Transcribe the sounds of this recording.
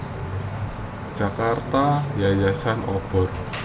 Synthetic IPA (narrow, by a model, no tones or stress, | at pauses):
d̥ʒ̥a̤kart̪ajajasanɔb̥ɔ̤r